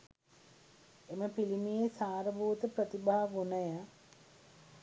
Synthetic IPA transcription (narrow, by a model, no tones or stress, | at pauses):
eməpilimijesaːɾəbuːt̪əpɾət̪ibaɦaʋunəja